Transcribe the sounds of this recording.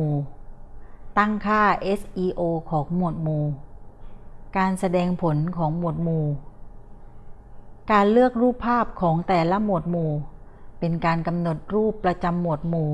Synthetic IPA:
uː˨˩ | t̪a˥˩ŋkʰaː˥˩ʔe˦˥sʔiː˧ʔoː˧kʰɔː˩˦ŋmu˨˩ət̪̚muː˧˩ | kaː˧nsa˧dɛː˧ŋpʰo˩˦nkʰɔː˩˦ŋmu˨˩ət̪̚muː˨˩ | kaː˧nlɯ˥˩ək̚ɾuː˥˩pʰːaː˥˩p̚kʰɔː˩˦ŋt̪ɛː˨˩la˦˥˩mu˨˩ət̪̚muː˨˩ | pe˧nkaː˧nka˧mno˨˩t̪̚ɾuː˥˩pːɾa˧t͡ɕa˧mːu˨˩ət̪̚muː˨˩

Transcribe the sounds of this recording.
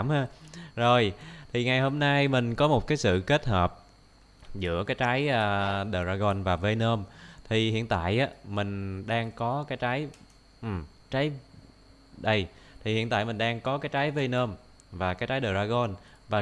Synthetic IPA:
mhaː˧zo˨˩jt̪ʰi˨˩ŋa˨˩jho˧mna˧jmï˨˩ŋ̟kɔ˨˦mo˨˩t̚kaː˨˦jsɨ̰˧˨ke˦˥t̚həː˨˩p̚ | zɨ̰˧˥əkaː˨˦jt͡ɕa˨˦jʔəː˧ɗəː˨˩zaː˧ɣɔ˧˩nvaː˨˩ve˧nəː˧mt̪ʰi˨˩hḭ˧˨ənt̪a̰ː˧˨jʔaː˨˦mï˨˩ŋ̟ɗaː˧ŋkɔ˨˦kaː˨˦jt͡ɕa˨˦j | ʔ̩˨˩ | t͡ɕa˨˦j | ɗə˧j | t̪ʰi˨˩hḭ˧˨ənt̪a̰ː˧˨jmï̟˨˩ɗaː˧ŋkɔ˨˦kaː˨˦jt͡ɕaː˨˦jve˧nəː˧m | vaː˨˩kaː˨˦jt͡ɕaː˨˦jɗəː˨˩zaː˧ɣɔ˧n | vaː˨˩

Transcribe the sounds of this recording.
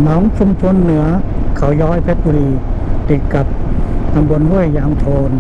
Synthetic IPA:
nɔː˨˩˦ŋt͡ɕʰu˧mt͡ɕʰo˧nːɯ˩˦ɐkʰa˩˦wjɔː˦˥jpʰe˦˥t̪̚bu˧ɾiː˧t̪i˨˩kːa˨˩p̚t̪a˧mbo˧nhu˥˩əjːaː˧mt̪ʰoː˧n

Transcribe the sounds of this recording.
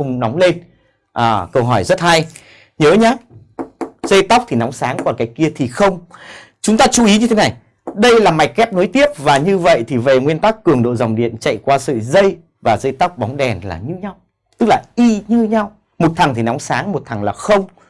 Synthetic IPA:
ʊ˧ŋ͡mnɔ˨˦wŋ͡mle˧n | ʔaː˨˩kə˧wɦɔ˧˩jzə˦˥t̚ha˧j | ɲəː˨˦ɲaː˨˦ | zə˧jt̪a˦˥wk͡p̚t̪ʰi˨˩nɔ˨˦wŋ͡msaː˨˦ŋkɔ˧˩nkaː˨˦jki˧ət̪ʰi˨˩xə˧wŋ͡m | t͡ɕʊ˨˦ŋ͡mt̪aː˧t͡ɕu˧˦ʔi˨˦ɲɨ˧e˨˦na˨˩j | ɗə˧jlaː˨˩ma˨˩jk̚kɛ˦˥p̚no˨˦jt̪i˦˥əp̚vaː˨˩ɲɨ˧və̰˧˨jt̪ʰi˨˩ve˨˩ŋwi˧ənt̪a˦˥kːɨ˨˩əŋɗo̰˧˨za˨˩wŋ͡mɗḭ˧˨ənt͡ɕa̰˧˨jkwaː˧sɨ̰˧˨zə˧j | vaː˨˩zə˧jt̪a˦˥wk͡p̚ɓɔ˨˦wŋ͡mɗɛ˨˩nla̰ː˨˩ɲɨ˧ɲa˧w | t̪ɨ˦˥k̚laː˨˩ʔi˧ɲɨ˧ɲa˧w | mo˨˩t̚t̪ʰa˨˩ŋt̪ʰi˨˩nɔ˨˦wŋ͡msaː˨˦ŋmo˨˩t̚t̪ʰa˨˩ŋlaː˨˩xə˧wŋ͡m

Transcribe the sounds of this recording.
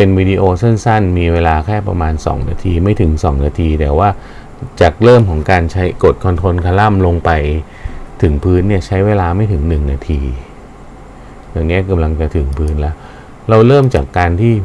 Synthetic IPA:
pe˧nwiː˧diː˧ʔoː˧se˥˩nsa˥˩nmiː˧weː˧laː˧kʰɛː˥˩pɾa̰˧maː˧nsɔ̰ː˩˦ŋna̰ː˧t̪ʰiː˧ma˥˩jt̪ʰɯ˩˦ŋsɔː˩˦ŋnaː˧t̪ʰiː˧t̪ɛː˨˩waː˥˩ | t͡ɕaː˨˩k̚ɾɤː˥˩mkʰɔː˩˦ŋkaː˧nt͡ɕʰa˦˥jko˨˩t̪̚kʰɔ˧nt̪ʰo˧nkʰa˧la˥˩mlo˧ŋpa˧j | t̪ʰɯ˩˦ŋpʰɯː˦˥nːi˥˩ɐt͡ɕʰa˦˥jweː˧laː˧ma˥˩jt̪ʰɯ˨˩˦ŋnɯ˨˩ŋnaː˧t̪ʰiː˧ | ja˨˩ŋːi˦˥ka˧mla˧ŋt͡ɕa˨t̪ʰɯ˨˩˦ŋpʰɯː˦˥nlɛː˦˥w | ɾa˧wɾɤː˥˩mt͡ɕaː˨˩kːaː˧nt̪ʰiː˥˩

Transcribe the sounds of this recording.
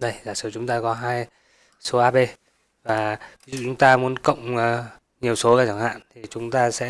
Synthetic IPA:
ɗə˧jzaː˨˩sɨː˧˩t͡ɕʊ˨˦ŋ͡mt̪aː˧kɔ˨˦ɦaː˧j | so˨˦ʔaː˧ɓe˧ | vaː˨˩vi˨˦zṵ˧˨t͡ɕʊ˨˦ŋ͡mt̪aː˧mu˨˦ənkə̰˧˨wŋ͡m | ɲi˨˩əwso˨˦kaː˨˦˩t͡ɕaː˧˩ŋha̰ː˧˨nt̪ʰi˨˩t͡ɕʊ˨˦ŋ͡mt̪aː˧sɛ̰˧˥

